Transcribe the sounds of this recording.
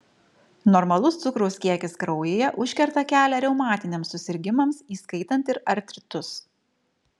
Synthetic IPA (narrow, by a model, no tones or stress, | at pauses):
nɔɾmɐlˠʊst̪sʊkɾoːskʲiɛkʲɪskɾɒʊjeːjɛʔʊʃʲkʲɛɾt̪ɐkʲæːlʲɛɾʲɛʊmɑːt̪ʲɪnʲemsːʊsʲɪɾʲɡʲɪmɐmsiːskɐɪt̪ɐnʲˑt̪ɪɾɐɾʲt̪ʲɾʲɪt̪ʊs